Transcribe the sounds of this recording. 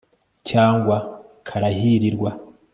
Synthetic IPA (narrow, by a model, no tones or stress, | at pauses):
caːŋɡwakʰaɾahiɾiɾɡwa